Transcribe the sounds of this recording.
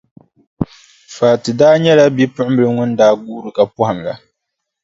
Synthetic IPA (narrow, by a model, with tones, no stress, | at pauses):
faː˨tɨ˨daː˦ɲɛ˦la˦bi˦pʊ˦ʔmbɨ˦lɨ˦ŋʊ˦ndaː˦ɡuː˦ɾɨ˨ka˨pɔ˦ha˨m˨la̰˨